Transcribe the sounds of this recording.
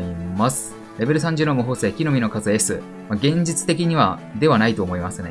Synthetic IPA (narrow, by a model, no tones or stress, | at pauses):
imasɨ̥ | ɾe̞be̞ɾɯ̟s̬ãɲ̟d͡ʑɨnomɯ̟ɦo̞ːse̞ːkʲino̞mʲino̞kazɨe̞sɨ | maɡẽ̞ɲ̟d͡ʑit͡sɨ̥t̪e̞kʲiɲ̟iβad̪e̞βanait̪o̞ːmo̞imasɨne̞